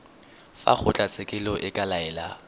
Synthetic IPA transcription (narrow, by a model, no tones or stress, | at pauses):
fa̰k͡xʰʊt͡ɬʼat͡sʼekʼɪlɔʔɪkʼalaɛːla